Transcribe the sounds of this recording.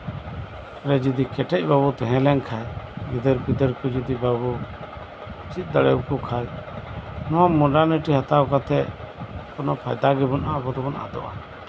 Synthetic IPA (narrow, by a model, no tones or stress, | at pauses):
ɾɛd͡ʒid̪ikɛʈɛc̚ˀbabut̪ɛɦɛ̃lɛnkʰajɡid̪əɾkid̪əɾkud͡ʒid̪ibabu | t͡ʃit̪̚ˀd̪aɽɛwkukʰaj | nɔwamɔɖaɾniʈiɦat̪awkat̪ʰɛ | kɔnɔpʰajd̪aɡɛbɔnabɔt̪bɔnʔa̰d̪ɔʔa̰